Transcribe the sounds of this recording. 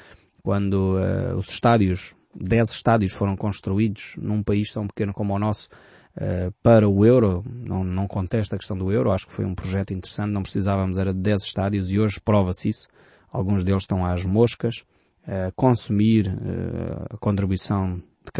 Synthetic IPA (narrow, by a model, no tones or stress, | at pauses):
kwɐ̃nd̪uɛ̰ṵz̥ʃt̪aðjuʒ | d̪ɛzʃt̪aðjuʃfoɾɐ̃w̃kõʃt̪ɾuiðuʒ̥nũpɐiʃt̪ɐ̃w̃pɨkenukomɔnɔsu̥ | ɛpɐɾɐuewɾɔnɐ̰̃w̃nɐ̃w̃kõnt̪ɛʃt̪ɐkʃt̪ɐ̃w̃d̪uewɾɔaʃu̥kfojũpɾuʒɛt̪wĩnt̪ɨɾsɐ̃t̪̚nɐ̃w̃pɾɨsizavɐmuzɛɾɐðɨdɛzʃt̪aðjuzioʒpɾɔvɐsisu̥ | alˠɣũʒd̪elˠʃt̪ɐ̃w̃aʒmoʃkɐʃ | ɛkõsumiɾɛ̰ɐkõnt̪ɾiβuisɐ̃w̃ | d̪̥ɨk